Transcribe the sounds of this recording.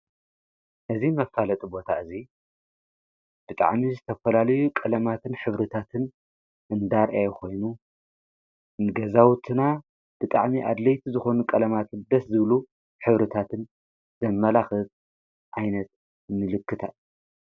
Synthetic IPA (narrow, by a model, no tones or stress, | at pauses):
ʔɨzimɐfalɐt̪ʼibo̞t̪ʰaɨzi | b̥ɨt̪ʼa̰ʕmizɨt̪ʰɐfɐlalɐjukʼɐlɐmat̪ʰɨnħɨβɾɨt̪ʰat̪ʰɨn | ʔɨnd̪aɾʔajkʰo̞jnu | nɨɡɐzawt̪ʰɨna | b̥ɨt̪ʼa̰ʕmiʔad̪lɐjt̪ʰizɨxo̞nukʼɐlɐmat̪ʰɨnd̪ɐszɨβlu | ħɨβɾɨt̪ʰat̪ʰɨn | zɐmːɐlaxɨt̪ | ʔajnɐt̪ | nɨlɨkːɨt̪ʰa